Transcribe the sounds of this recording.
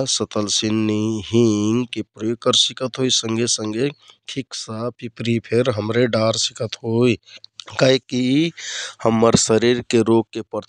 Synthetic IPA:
sət̪əlsinːiɦiŋɡkepɾjoːɡ̚kəɾsikət̪ɦoisə̃ŋɡʱesə̃ŋɡeʈʰiksapipɾipʰeɾɦəmɾeɖaːɾsikət̪ɦoːikaiki | həmːəɾsəɾiɾkeɾoɡ̚kepəɾt̪

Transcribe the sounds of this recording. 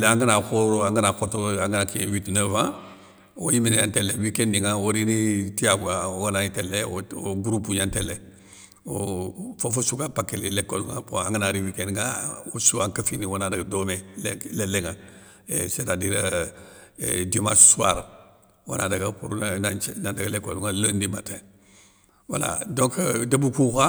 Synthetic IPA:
lãŋɡənakoɾoãŋɡənakotoaŋɡənakiwitnəvã | o̰jiminejãntɛlɛwikɛnːiŋaoɾinitijabuaoɡanaitɛlːɛoo̰ɡuɾupuɲantɛlːɛ | ofofosukapakːelelɛkolŋã̰poaŋɡənaɾiwikɛnŋaosuaŋkəfiniwonadaɡadomelleleŋa | esetadiɾa̰ | diomassua̰ɾ | wo̰nʔa̰daɡapuɾunanandaɡalekoluŋaləndima̰te | wa̰la̰doŋkdəbukuka

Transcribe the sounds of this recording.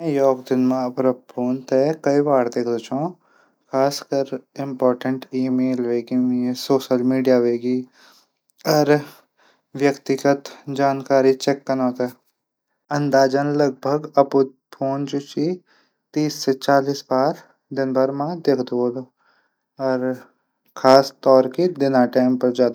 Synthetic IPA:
ɛ̃jɔːkd̪ɪnmãɐpɾəpʰoːnt̪ekɐibaːɾd̪eːkʰd̪ot͡ʃãː | kʰaːskəɾɪ̃mpɔːɾʈəɳʈiːmeːlʋeːɡimesoːʃəlmiːɖijaʋeːɡi | ɐɾ | ʋjəkt̪ɪɡət̪d͡ʒaːnkaːɾit͡ʃɛːkːɐnoːt̪a | ɐ̃nd̪aːd͡ʒənlɐɡ̚bʱəɡɐpu | pʰoːnd͡ʒut͡ʃi | t̪iːsːet͡ʃaːliːsbaːɾ | d̪ɪnbʱəɾmãd̪eːkʰd̪oːlo | ɔːɾ | kʰaːst̪ɔːɾkid̪ɪnaːʈaːɪmpɐɾd͡ʒaːd̪

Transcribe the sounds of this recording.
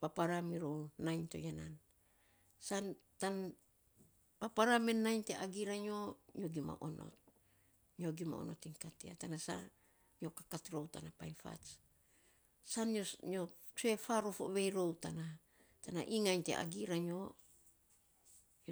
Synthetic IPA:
papaɾamiɾownajnto̰janan | san | tan | papaɾamenːajnteʔaɡiɾaɲoɲoɡima̰ʔonʔo̰t̚ | ɲoɡima̰o̰notiŋkatea̰tanasa̰ | ɲokakatɾowtanapajnfa̰t͡ʃ | sanoɲo | t͡ʃuefaɾofoʔβejɾo̞wtana | tana̰ʔiŋajntḛʔa̰ɡiɾaɲo

